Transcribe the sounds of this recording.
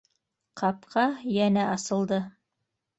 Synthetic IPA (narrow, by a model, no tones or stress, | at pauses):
qʰɑpqʰɑjænæʔɑsɤ̆lˠd̪ɤ